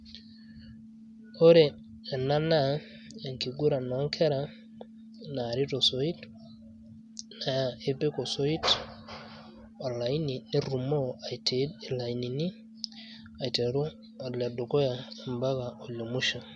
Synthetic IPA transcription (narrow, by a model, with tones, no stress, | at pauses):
o˦ɾɛː˨ | na˦na˦ | e˨ŋki˨ɡu˦ɾa˨nɔ˨˦ŋkʰɛ˦ɾa˨ | na˨ɾi˦tɔ˨so˨i˦t | na˨ja˨e˦pe˦kɔ˨sɔ˦i˦t | a˨la˨i˦ni˨ni˦ɾu˨mo˦a˨te˨˦dla˨i˨ni˨ni˦ | a˨te˨ɾu˦ | a˨la˨do˨kɔ˦ja˨mba˦ka˨o˨lo˨mu˦ʃa˨